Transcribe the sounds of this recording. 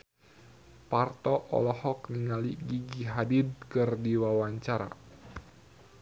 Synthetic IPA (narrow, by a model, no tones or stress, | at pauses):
part̪ɔʔɔ̰lɔhɔk̚niŋaliɡiɡiɦadid̚kɨrdiwawaɲt͡ʃaɾa̰